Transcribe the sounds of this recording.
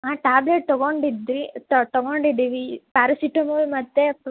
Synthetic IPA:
aːʈaːbleʈ̚t̪ɔɡoɳɖid̪ɾit̪t̪ɐɡoɳɖid̪iʋipaːɾɐsiʈɐmɐlmɐt̪ːe

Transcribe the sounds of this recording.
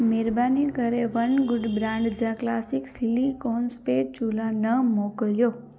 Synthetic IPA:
meɾbanikəɾeʋənɡʊɖbɾãɳɖd͡ʒãklasiksilikɔnspet͡ʃulãnəmɔkəljo

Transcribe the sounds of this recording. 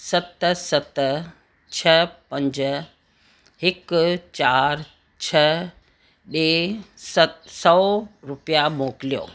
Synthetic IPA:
sɐt̪sɐt̪ | t͡ɕʰɐpɐ̃ɲd͡ʑ | ɦɪkt͡ɕaːɾ | t͡ɕʰɐ | ɓesəsɔːɾʊpijamoːklijo̰ː

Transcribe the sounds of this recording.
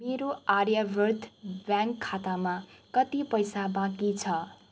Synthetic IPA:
meɾoaɾjabʌrt̪ʰbjãŋkʰːat̪amakʌt̪ipʌjsabãkit͡sʰʌ

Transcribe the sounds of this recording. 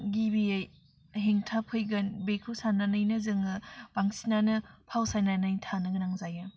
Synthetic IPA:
ɡibiej | ɦeŋtʰapʰɯjɡɐnbekʰɯwsananɯjnɯzɯŋɯb̥aŋsi̥nanɐpʰawsananɯjtʰanɯɡɐnaŋzajɯ

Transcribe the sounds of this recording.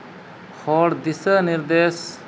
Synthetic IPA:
xʰɔɽd̪isəniɾd̪es

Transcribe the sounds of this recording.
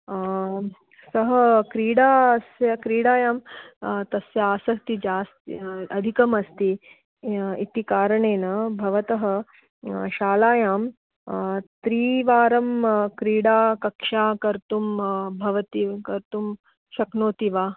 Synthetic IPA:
sɐɦɐkɾiːɽaːɐsjɐkɾiːɽaːjaːmt̪ɐsjɐaːsɐkt̪id͡ʒaːst̪iɐd̪ʱikɐmɐst̪i | it̪ikaːɾɐɳeːnɐbʱɐʋɐt̪ɐɦɐ̆ | ʃaːlaːjaːm | t̪ɾiːʋaːɾɐmkɾiːɽaːkɐkʂaːkɐɾt̪umbʱɐʋɐt̪ikɐɾt̪um | ʃɐknoːt̪iʋaː

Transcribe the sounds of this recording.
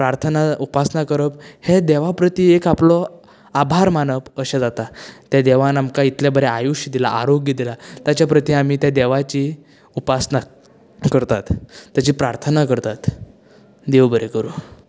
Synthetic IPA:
pɾaɾt̪ʰənaupasnakəɾəphed̪eʋapɾət̪iekaplɔ | abʱaɾmanəpəɕẽd͡zat̪at̪jad̪eʋanamkait̪labəɾɛajuɕd̪ilaʔaɾoɡjəd̪ilat̪jat͡ɕjapɾət̪iamiːt̪jad̪eʋat͡ɕi | upasna | kəɾt̪at̪ːjat͡ɕiːpɾaɾt̪ʰənakəɾt̪at̪ | d̪eʋbəɾekəɾuː

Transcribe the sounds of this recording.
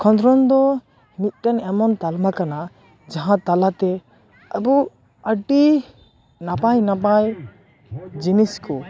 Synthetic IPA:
kʰɔ̃nd̪ɾɔnd̪ɔ | nit̪̚ˀʈanɛmɔnt̪almakana | d͡ʒaɦãt̪alat̪ɛ | abu | əɖi | nabajnabaj | d͡ʒiniskɔ

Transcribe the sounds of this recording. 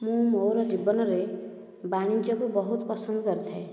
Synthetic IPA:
mũmowɾɔd͡ʒibːɔnɔɾe | baɽ̃ind͡ʒɔkubɔɦut̪ɔpɔsɔnd̪ɔkɔɾit̪ʰae

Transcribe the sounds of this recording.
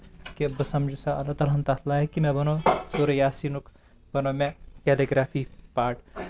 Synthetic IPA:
kiɐbɐsɐmd͡ʒusaɐlɐt̪ɐlɐnt̪at̪ʰlaːɦekimɛ̃bɐnot̪oɾejaːsiːnuk | bɐnomẽkɛːleɡɾaːfiːpaːʈ

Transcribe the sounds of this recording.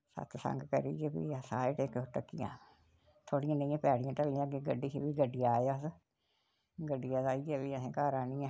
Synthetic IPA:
sə̰t̪ʰsə̰̃ŋɡkə̰ɾiːd͡ʒeːbḭːəsãːeʈeːkʈəkːijã̰ː | t̪ʰoːɽijãːnəĩːãːpɛːɽijãːʈəliãːɡeːɡəɖiːkeːbiːɡəɖijãːjaːs | ɡəɖːijaːd̪aːiːd͡ʒɛːbiːəsẽːkaːɾãːnĩːãː

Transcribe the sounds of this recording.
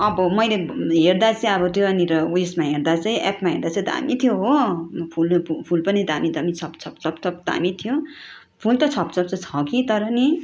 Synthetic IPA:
ʌbʌmʌjleɦeɾd̪at͡sʌĩʌbʌt̪joʌniɾʌuesmaɦeɾd̪at͡sʌĩʔapmaɦeɾd̪at͡sʌĩd̪a̰mit̪ʰjoɦopʰulpʰulpʌnid̪amid̪ʌmit͡sʰʌpt͡sʰʌp̚t͡sʰʌpt͡sʰʌpd̪a̰mit̪ʰijo | pʰult̪ʌt͡sʰʌpt͡sʰʌp̚t͡sʰʌt͡sʰʌkit̪ʌɾʌni

